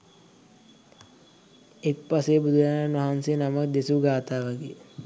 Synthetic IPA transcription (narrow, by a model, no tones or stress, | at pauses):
ek̚paseːbud̪ujananʋɐɦansenamakd̪esuɡaːt̪aːʋaɡeː